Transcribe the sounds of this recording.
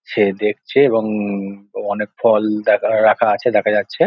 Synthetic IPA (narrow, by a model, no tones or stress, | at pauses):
ʃed̪ek̚ʰt͡ɕʰeeβoŋ | ɔnek̚fʰɔld̪ɛkʰaɾakʰaat͡ɕʰed̪ɛkʰad͡ʑatːɕʰe